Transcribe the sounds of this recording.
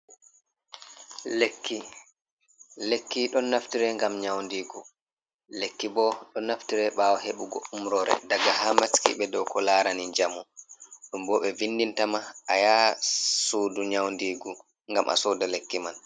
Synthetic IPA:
lekʰːi | lekːiɗɔnːaftiɾɛŋɡamɲawndiːɡu | lekːibɔɗɔnːaftiɾɛɓawɔɦeɓuɡo̰umɾɔɾɛ̰daɡahamaskḭɓɛdɔwkɔlaːɾaniɲd͡ʒamuɗumbɔɓɛvinːdintamaajasoːduɲawndiːɡu | ŋɡamʔa̰sɔdalekːiman

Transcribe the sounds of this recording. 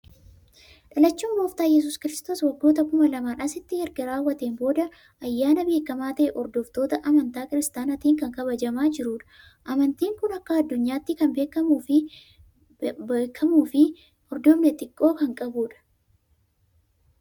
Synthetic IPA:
ᶑɐlɐt͡ʃːuːmboːft̪aːjɛs̬ʊːskɪɾɪst̪o̞ːswɐɡːoːt̪ɐkʊmɐlɐmaːnɐsɪt̪ːɪhɛɾɡɐɾaːwːɐt̪eːmbo̞ːd̪ɐ | ʔɐjːaːnɐbe̞ːkɐmaːt̪ɐʔeʔɔɾd̪ɔft̪oːt̪ɐʔɐmɐnt̪aːkɪɾɪst̪aːnɐt̪iːŋkɐŋkɐβɐd͡ʒɐmaːd͡ʒɪɾuːᶑɐ̥ | ʔɐmɐnt̪iːŋkʊnɐkːɐɐd̪ːʊɲːaːt̪ːɪkɐnbe̞ːkɐmuːfɪ | kʰːɐmuːfɪ | ɔɾd̪ɔmnɛt̪ɪkʼːo̞ːkɐŋkʼɐbuːᶑɐ̥

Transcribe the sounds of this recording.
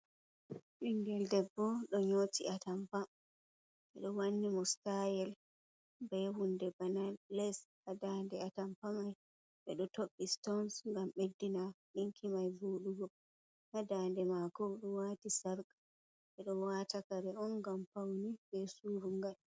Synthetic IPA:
ɓiŋɡɛldɛbːɔɗɔɲotiatampa | ɓɛɗɔwanːimɔstajɛl | bɛwundɛbanalːɛshadandɛatampamaj | ɓɛɗɔtoɓːistɔnsŋɡamɓedːinaɓiŋkʰimajvuːɗuɡɔ | hadandɛmakɔɗɔwaːtisaɾkḁ | ɓɛɗɔwaːtakaɾɛɔnɡampawnibɛsuɾuŋɡal

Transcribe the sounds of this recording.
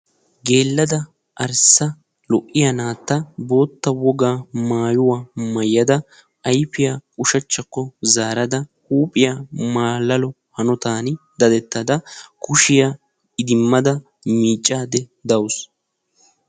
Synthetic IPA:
ɡe̞ːlːɐd̪ɐ | ʔɐɾsːɐ | lɔʔːɪjɐnaːt̪ːɐbo̞ːt̪ːɐwɔɡaːmaːjʊwaːmɐjːɐd̪ɐ | ɐjpɪjaʊʃɐt͡ʃːɐkːɔzaːɾɐd̪ɐhuːpʼɪjaːmaːlːɐlɔ | hɐnɔt̪aːnd̪ɐd̪ɛt̪ːɐd̪ɐkʊʃɪja | ɪd̪ɪmːɐd̪ɐ | miːt͡ʃʼːaːd̪ɛd̪ɐwʊs

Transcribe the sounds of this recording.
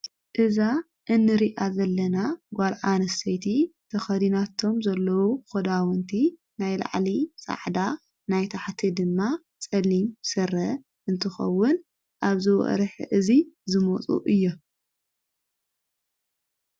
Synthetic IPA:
ʔɨza | ʔɨnːɨɾiʔazɐlːɐnaɡʷalʕanɐsɐjt̪ʰit̪ʰɐxɐd̪inat̪ʰo̞mzɐlːɐwuxɐd̪awɔnt̪ʰi | najla̰ʕlisʼa̰ʕd̪a | najt̪ʰaħt̪ʰid̪ɨmːa | t͡sʼɐlimsɐrɐ | ʔɨnt̪ʰɨxɐ̰wːʊn | ʔaβzɨwɐ̰ʔɾħʔɨzizɨmot͡sʼṵʔɨjːo

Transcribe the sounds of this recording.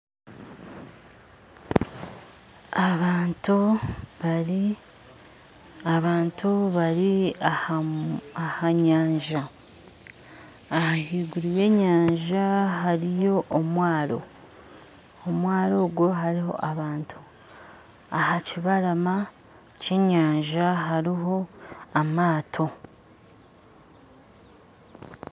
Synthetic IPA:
aβaːntu | aɾi | aβaːntʰuβaɾia | ahaɲaːɲʒa | hahiːɡuɾije̞ːɲaːɲʒaɦaɾijo̞ʔːmwaːɾo̞̰ | omwaːɾo̞ːɡwo̞ɦaɾiɦo̞̰ʔaβaːntʰu | ahaciβaɾama | ce̞ːɲaːɲʒaɦaɾiɦo̞amaːtʰo̞

